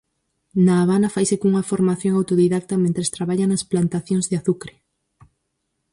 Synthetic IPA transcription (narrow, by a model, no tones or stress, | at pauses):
naːβ̞anɐfajsekuŋɐfoɾmaθjoŋawt̪oðiðak̚t̪ɐmẽnt̪ɾest̪ɾaβaʎanɐsplant̪aθjõŋzðeaθukɾe